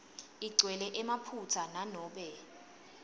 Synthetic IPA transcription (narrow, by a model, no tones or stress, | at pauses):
iɡ͡ǀʱwɛlɛʔɛmapʰutʰananɔːɓɛ